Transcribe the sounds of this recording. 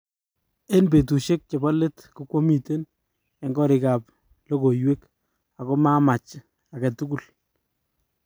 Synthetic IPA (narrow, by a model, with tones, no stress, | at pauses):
e˦nbe˨t̬u˨ʃe˦k̚t͡ʃe˨bɔ˦le˦tku˦kwo˦mi˨te˦n | e˨ŋɡɔ˦ɾɪ˨ka˨p̚ | lo˦ko˨jwe˦k | a˨ko˦ma˦ma˨t͡ʃ | a˨kɛ˨tu˦ku˨l